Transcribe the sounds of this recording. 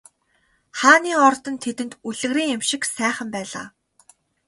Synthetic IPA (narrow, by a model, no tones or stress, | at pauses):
χaːniːɔrt̪ɞ̆nt̪ʰet̪ɘ̆nt̪uɮɘ̆ɣriːŋemʃɪ̆ksæːχə̆mpæːɮa̰ː